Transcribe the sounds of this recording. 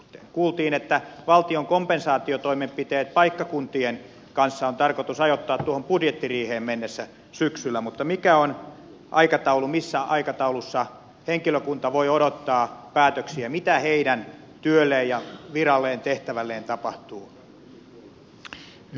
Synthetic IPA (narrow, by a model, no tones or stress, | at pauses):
t̪ekuːlt̪iːnet̪ːæʋɑlt̪ioŋkompensɑːt̪iot̪oimempit̪eːt̪̚pɑikːɑkunt̪ien | kɑnsːɑont̪ɑrkot̪usɑjot̪ːɑːt̪t̪uohompudjet̪ːiriːheːmmenːesːæ | syksylːæmut̪ːɑmikæon | ʔɑ̰ikɑt̪ɑulumisːæʔɑikɑt̪ɑulusːɑ | heŋkiløkunt̪ɑʋoioɾot̪ːɑːpæːt̪øksiæmit̪æheidæn | t̪yølːˑeːjjɑʋirɑlːeːnt̪eht̪æʋælːeːnt̪ɑpɑht̪uː